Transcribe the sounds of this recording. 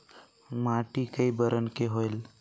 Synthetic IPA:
maʈikəibəɾʔənkeɦoel

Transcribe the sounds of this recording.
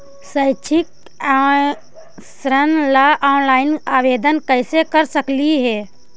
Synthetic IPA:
səɪt͡ʃʰɪk̚ | sɾənlaʔɔːnlaːɪnaːʋeːd̪ənkəɪsekəɾsəkliɦɛː

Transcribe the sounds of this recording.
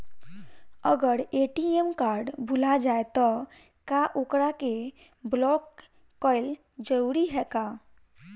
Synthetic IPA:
əɡəɾeʈiɛmkaːɾɖbʱulad͡ʒaet̪ɔ | kaʔokɾake | blɔkː | ɔɪl | d͡ʒəɾuɾiɦɛka

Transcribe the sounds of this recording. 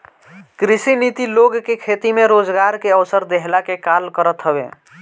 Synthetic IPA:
kɾisinit̪iloɡkekʰet̪imeɾod͡ʒɡaɾkeəwsəɾd̪eɦlakekalkəɾət̪ɦəbḛ

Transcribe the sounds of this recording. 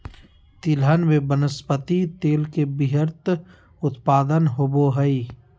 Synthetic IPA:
t̪ilɦənmẽbənəspət̪it̪eːlkebiɦəɾt̪ | ʊt̪paːd̪ənɦoboɦəi

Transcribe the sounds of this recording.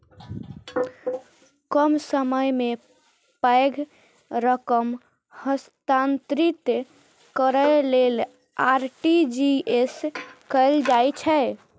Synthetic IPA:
kəmsəməjme | pəjɡʱ | ɾəkəm | həst̪ant̪ɾit̪ | kəɾəlel | aɾʈid͡ʒieskəɪld͡ʒajt͡ʃʰɛ

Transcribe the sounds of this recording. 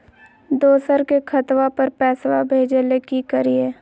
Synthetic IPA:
d̪oːsəɾkekʰət̪wapəɾpɛːswabʱeːd͡ʒelekikəɾieː

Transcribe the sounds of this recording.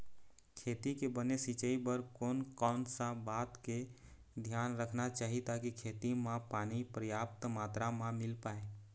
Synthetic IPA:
kʰeːt̪ikebənesit͡ʃəibəɾkoːnkɔːnsãbaːt̪ke | d̪ʱjaːnɾəkʰnat͡ʃaːɦit̪akikʰeːt̪imãpaːnipɾəjaːpt̪maːt̪ɾamãmɪlpaːe

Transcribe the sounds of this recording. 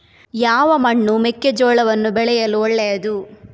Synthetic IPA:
jaːʋɐmɐɳːumekːed͡ʒɔːɭɐʋɐnːubɛɭɛjɐluɔɭːɛjɐd̪u

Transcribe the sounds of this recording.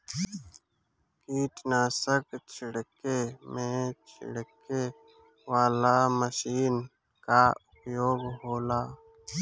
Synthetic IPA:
kiːʈnaːsəkt͡ʃʰɪɽkemẽt͡ʃʰɪ̰ɽke | waːlaməʃiːn | kaʊpjoːɡɦoːlaː

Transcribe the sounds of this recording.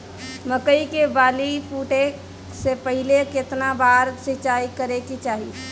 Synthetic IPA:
məkəikebaːlipuːʈe | sepəɦɪlekɪt̪nabaːɾsɪt͡ʃaːikəɾekit͡ʃaːɦi

